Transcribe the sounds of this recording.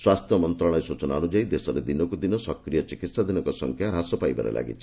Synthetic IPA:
swast̪ʰjɔmɔnt̪ɾɔɽ̃ɔesut͡ʃɔnaɔnud͡ʒaid̪esɔɾed̪inɔkud̪inɔsɔkɾijɔt͡ʃikit̪sad̪inɔkɔsɔŋkʰjaɾɦasɔpajba̰ɾḛlʔa̰ɡḭt͡ʃʰi̥

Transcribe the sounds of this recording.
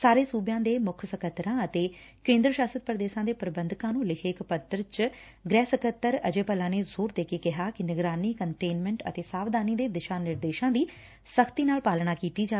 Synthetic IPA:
saːɾeːsuːbjãːd̪eːmʊkʰsəkʰət̪ɾãːət̪eːkẽːnd̪ɾəʃaːsət̪̚pɾəd̪eːʃãːd̪eːpɾəbə̃nd̪kãːnũːlɪkʰeːkpət̪ɾt͡ʃ | ɡɾɛːsəkʰət̪ːəɾəd͡ʒeːpəlãːneːzoːɾd̪eːkekɪɦaːkɪnɪɡɾaːniːkəɳʈeːnmɛ̃ɳʈə̰t̪eːsaːʋd̪aːniːd̪eːd̪ɪʃaːnːɪɾd̪eːʃãːd̪iː | səkʰt̪iːnaːlpaːlnaːkiːt̪iːd͡ʒaː

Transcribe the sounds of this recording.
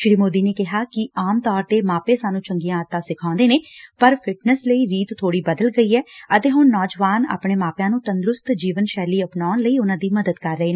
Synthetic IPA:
ʃɾiːmoːd̪iːneːkɪɦaːkɪaːmt̪ɔːɾt̪eːmaːpeːsaːnũːt͡ʃəŋɡijãːət̪ːãːsɪkʰãːnd̪eːneːpəɾpʰɪʈnəsləiːɾiːt̪t̪ʰːoːɽiːbəd̪əlɡəiːɛːət̪eːɦʊnːɔːd͡ʒʋaːna̰ːpɳeːmaːpjãːnũːt̪ənd̪ɾʊst̪d͡ʒiːʋənʃɛːliːəpnaːnləiːʊnãːd̪iːməd̪əd̪kəɾːəɦeːnː

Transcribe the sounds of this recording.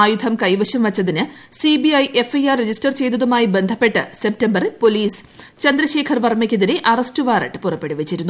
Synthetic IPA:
aːjud̪ʱʰɐmkɐjʋɐɕɐmʋɐt͡ɕːɐðinɨ | sibiɐjʔe̞fɐjarːed͡ʑistɐrt͡ɕe̞jd̪ɐðumaːjibe̞nd̪ʱɐpːe̞ʈːɨsep̚tɐmbɐrpo̞liːs | t͡ɕɐnd̪ɾɐɕe̞ːkʰɐrʋɐrmekʲːiðiɾeʔɐrɐstɨʋaːrɐ̰ʈːɨpurɐpːe̞ɽuʋet͡ɕːiɾunːu

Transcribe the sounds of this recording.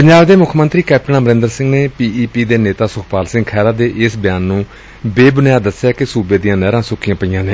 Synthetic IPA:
pəɲd͡ʒaːbd̪eːmʊkʰːmənt̪ɾiːkɛːp̚ʈəɳaːməɾɪ̃nd̪əɾsɪ̃ŋɡneːpiːiːpiːd̪eːneːt̪aːsʊkʰpaːlsɪ̃ŋɡkʰɛːɾaːd̪eːʔɪsbjaːnːũː | beːbənjaːd̪əsːjaːkɪsuːbeːd̪ijãːnɛːɾãːsʊkʰijãːpəiːãːneː

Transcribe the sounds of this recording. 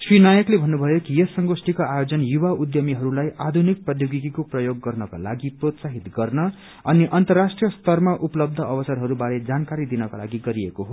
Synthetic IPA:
srinajʌklebʱʌnːubʱʌjokijesʌŋɡosʈikoajod͡zʌnjubaud̪jʌmiɦʌɾulajʔad̪ʱunik̚prʌd̪joɡikikoprʌjoɡːʌrnʌka̰la̰ɡiprot̪saɦit̪ɡʌrnʌ | ʌniʔʌnt̪ʌrːasʈrijʌst̪ʌrmaʔupʌlʌb̚d̪ʱʌʌbʌsʌrɦʌɾubaɾed͡zankaɾid̪inʌkala̰ɡiɡʌɾiekoɦo

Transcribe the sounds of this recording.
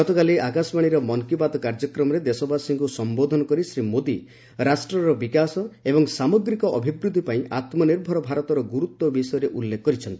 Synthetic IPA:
ɡɔt̪ɔkaliakasɔmaɽ̃iɾɔmɔŋkibad̪ɔkaɾd͡ʒɔkɾɔmɔɾed̪esɔbasiŋkusɔmbod̪ʱɔnɔkɔɾisɾimod̪i | ɾasʈɾɔɾɔbikasɔebɔŋsamɔɡɾikɔʔɔbʱibɾud̪ʱipaĩʔat̪mɔniɾbʱɔɾɔbʱaɾɔt̪ɔɾɔɡuɾut̪wɔbisɔjɔɾeʔulːekɔkːɔɾit͡ʃʰɔnt̪i̥

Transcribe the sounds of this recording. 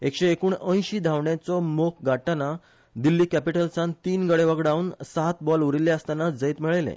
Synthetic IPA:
ekɕeːkuːɳə̃j̃ɕiːd̪ʱaʋɳjãt͡sɔmok̚ʰɡaʈːana | d̪ilːiːkæpiʈəlt͡sant̪iːnɡəɽeʋəɡɽaunsat̪bɔluɾilːeəst̪anad͡zəit̪miɭejlḛ

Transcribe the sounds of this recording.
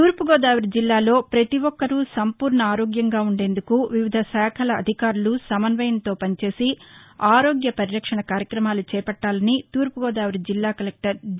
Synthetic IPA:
t̪uːɾpuɡɔːd̪aːʋɐɾid͡ʒilːaːlo̞ːpɾɐt̪iʋɔkːɐɾusɐmpuːɾɳɐaːɾoːɡjɐŋɡaːuɳɖe̞ːnd̪ukuʋiʋid̪ʱɐsaːkʰɐlɐːd̪ʱikaːɾulusɐmɐnʋɐjɐnt̪o̞ːpɐnt͡ʃe̞ːsiaːɾo̞ːɡjɐpɐɾiɾɐkʂɐɳɐkaːɾjɐkɾɐmaːlut͡ʃɛːpɐʈːaːlɐnit̪uːɾpuɡɔːd̪aːʋɐɾid͡ʒilːaːkɐlek̚ʈɐɾ

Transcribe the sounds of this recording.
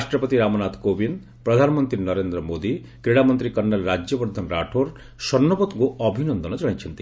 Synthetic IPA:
asʈɾɔpɔt̪iɾamɔnat̪kobind̪ | pɾɔd̪ʱanɔmɔnt̪ɾinɔɾend̪ɾɔmod̪i | kɾiɽamɔnt̪ɾikɔnːalɾad͡ʒjɔbɔɾd̪ʱɔnɾaʈʰoɾ | sɔnːɔpɔt̪kuɔbʱinɔnd̪ɔnɔd͡ʒɔɽãjt͡ʃʰɔnt̪i

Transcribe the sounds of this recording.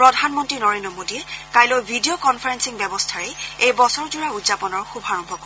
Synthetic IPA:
pɹɔdʱanmɔntɹinɔɹendɹɔmodiɛkajlojbʱidijɔkɔnpʰaɹɛnsiŋbɛbɔstʰaɹɛejbɔsɔɹzuɹaudzapɔnɔɹxubʱaɹɔmbʱɔkɔ

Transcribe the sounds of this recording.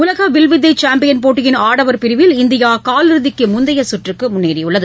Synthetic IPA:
ʊlɐɣɐʋɪlʋɪd̪ːɐt͡ʃaːmpɪjɐnpoːʈːɪjɪnaːɽɐʋɐɾpɪɾɪʋɪlɪnd̪ɪjaːkaːlɪɾɯðɪkːɯmʊnd̪ɐjɐsʊʈrɯkːɯmʊnːeːɾɪjʊɭːɐðɯ

